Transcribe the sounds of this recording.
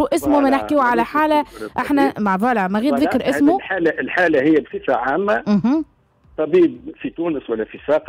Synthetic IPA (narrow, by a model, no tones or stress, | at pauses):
uʔɪsmumɛnɪħkiʕalæħaːlæʔaħnæmaʕðˤɑlaʕmaɣiːd̪ðɪkɾʔɪsmuħaːlaʔɪlħaːlahɪjːæbsifaʕaːmːam̩ɦ̩ | t̪ˤɑbiːb̚fit̪uːnəswalːæfisɑːq